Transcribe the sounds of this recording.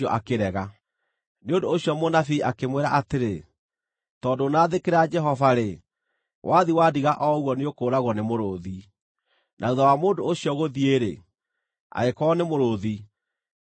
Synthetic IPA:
ɔʔakeɾɛɣa | neondoːɕiɔmonafiʔakemweɾaʔateɾe | tɔːndonaːðekeɾad͡ʒɛɦɔvaɾe | wʔaðiwadiɣaʔɔwɔneokoːɾaɣwɔnemoɾoði | nʔauðawamoːndoːɕiɔɣoðieɾḛ | a̰ekɔːnemoɾoði

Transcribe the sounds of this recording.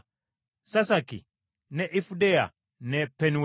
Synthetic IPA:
sasakḭ | nɛʔifudɛa̰ | nɛpɛniw

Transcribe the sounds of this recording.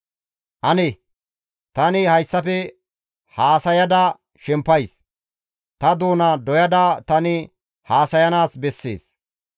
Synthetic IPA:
ʔɐnɛ | t̪ɐnɪhɐjsːɐpɛ | haːsɐjɐd̪ɐ | ʃɛmpːɐjs | t̪ɐd̪oːnɐd̪ɔjɐd̪ɐt̪ɐnɪ | haːsɐjɐnaːsbɛsːḛːs

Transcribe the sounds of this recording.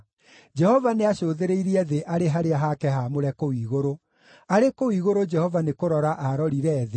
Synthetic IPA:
d͡ʒɛhɔvaneaɕoːðeɾeiɾiɛðeʔaɾeɦaɾeaɦakɛɦamoɾɛkowiːɣoɾo | aɾekowiɣoɾod͡ʒɛhɔvanekoɾɔɾaʔaɾɔɾiɾɛːðe

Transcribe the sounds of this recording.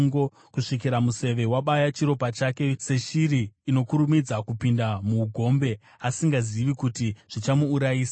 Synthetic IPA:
ŋɡo̞ | kuʂikiɾamuse̞ʋe̞waɓajat͡ʃiɾo̞pat͡ʃake̞se̞ʃiɾiːno̞kuɾumid͡zakupindamuːɡʱo̞mbe̞ | asiŋɡaziʋikutiʐ̥it͡ʃamuːɾajiːsa

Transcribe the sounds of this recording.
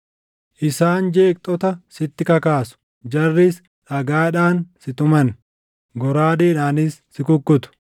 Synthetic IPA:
ʔɪsaːnd͡ʒe̞ːk̚t̪ʼɔt̪ɐsɪt̪ːɪkɐkaːsʊ̥ | d͡ʒɐrːis | ᶑɐɡaːᶑaːnsɪt̪ʊmɐn | ɡɔɾaːd̪eːᶑaːnɪsːɪkʊkːʊt̪ʊ̥

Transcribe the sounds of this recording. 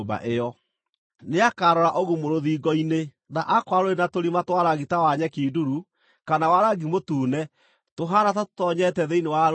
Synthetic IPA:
ba̰ʔeɔ | neakaːɾɔɾaʔoɣumoɾoðiːɡɔine | naʔakwaɾoɾenatoɾimatwaɾaɣitawaɲɛkiːduɾu | kanawaɾaɡimotuːnɛ | toɦaɾatatɔɲɛtɛðeinewa

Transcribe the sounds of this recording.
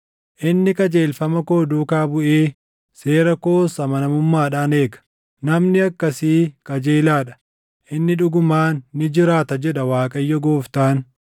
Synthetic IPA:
ʔɪnːɪkʼɐd͡ʒe̞ːlfɐmɐko̞ːd̪uːkaːbʊʔeː | se̞ːɾɐko̞ːsɐmɐnɐmʊmːaːᶑaːneːɡɐ̥ | nɐmnɪɐkːɐsiːkʼɐd͡ʒeːlaːᶑɐ̥ | ʔɪnːɪᶑʊɡʊmaːnːɪd͡ʒɪɾaːt̪ɐd͡ʒɛᶑɐwaːkʼɐjːɔɡoːft̪aːn

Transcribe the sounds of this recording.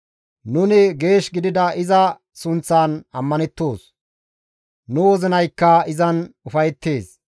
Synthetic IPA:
nʊnɪɡe̞ːʃɡɪd̪ɪd̪ɐʔɪzɐ | sʊnt͡sːaːnɐmːɐnɛt̪ːo̞ːs | nʊwɔzɪnɐjkːɐɪzɐnʊfɐjt̪ːe̞ːs

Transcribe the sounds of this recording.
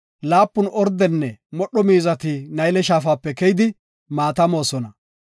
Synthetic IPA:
laːpːʊnʔɔɾd̪ɛnːɛmɔɗːɔmiːzɐt̪ɪnɐjlɛʃaːfaːpːɛkɛjɪd̪ɪ | maːt̪ɐmo̞ːsɔnɐ

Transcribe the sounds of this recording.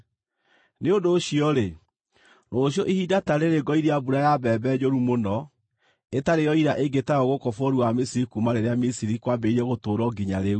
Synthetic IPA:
neodoːɕiɔɾe | nɔɕjɔʔihidataɾeɾeɡɔiɾeabuɾajabɛbɛd͡ʑoɾumonɔ | etaɾejɔiɾaʔeɡetaɔɣokɔfoɾuamisiɾikumaɾeɾeamisiɾikwabɛiɾɛɣotoːɾɔɡiɲaɾeu

